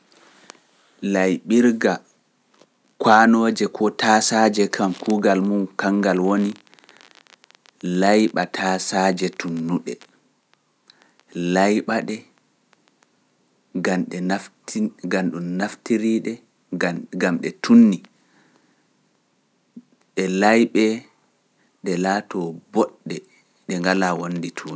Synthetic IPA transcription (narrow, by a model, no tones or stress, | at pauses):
lajɓiɾɡa | kwanoːd͡ʒɛkʰɔtʰasad͡ʒɛkʰamkuːɡalmumkaŋɡalwoni | lajɓatʰasad͡ʒɛtʰunːuɗɛ̰ | lajɓaɗɛ | ɡamɗɛ | ɡanɗumnaftiɾiɗɛ | ɡamɗɛtʰunːi | ɗɛlajɓɛ | ɗɛlaːtɔbɔɗːɛ | ɗɛŋɡalawonːditʰuːni